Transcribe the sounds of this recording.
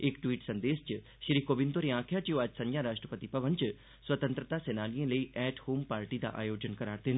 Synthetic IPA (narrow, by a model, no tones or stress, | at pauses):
ɪkʈwiːʈsɐ̃nd̪eːst͡ʃ | ʃɾiːkoːbɪ̃nt̪oɾiãːkʰjat͡ʃioɐd͡ʒsɐ̃ɲjaɾaːʃʈɾəpət̪ipɐʋənt͡ʃ | swət̪ə̃nt̪ɾət̪asɛːnaːlijẽləiʔɛːʈhoːmpaːɾʈid̪a̰ʔa̰ːjoːd͡ʒənkɐɾaːɾd̪eːn